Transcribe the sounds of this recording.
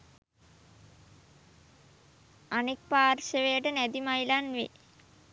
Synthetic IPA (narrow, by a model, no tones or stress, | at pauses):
anek̚paːrʃəʋejəʈənæd̪imajlanʋḛ